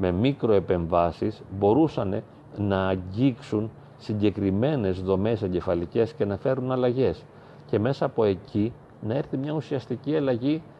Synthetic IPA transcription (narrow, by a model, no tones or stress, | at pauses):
me̞mikɾo̞e̞pe̞ɱvɐsisbo̞ɾusɐne̞ | nɐːɲɟiksun | siɲɟe̞kɾime̞ne̞zðo̞me̞se̞ɲɟe̞fɐlice̞sce̞nɐfe̞ɾunɐlɐʝe̞s | ce̞me̞sɐːpo̞e̞cʰi | nɐe̞ɾθimɲɐusiɐst̪iciɐlɐʝi